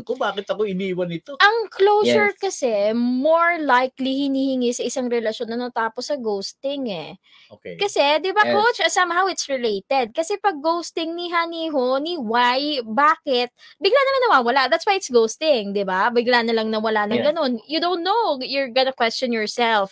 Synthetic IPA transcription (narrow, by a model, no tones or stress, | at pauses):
kobaːkɪt̪ɐkoɪniːwɐnɪt̪oʔɐŋklowsɛɹkɐsɛmoɹlajklihɪniːhɪŋisɐʔɪsaŋɾɛlɐʃjo̞nːɐnɐt̪aːposːɐɡowst̪ɪŋɛ̰ | okkɐsɛd̪ɪbakot͡ʃɐsamɐɦawɪt̪sɹɪlejt̪ɛd̪̚kɐsɛpɐɡ̚ːowst̪ɪŋniɦaniɦoniwajbaːkɪt̪̚bɪɡlanɐmaŋnɐwawɐlaʔd̪at̪swajɪt̪sɡowst̪ɪŋd̪ɪbabɪɡlanɐlɐŋnɐwɐlanɐŋɡɐno̞njud̪ont̪ːowjʊɹɡɐnɐkwɛst͡ʃɔ̃njɔɹsɛlf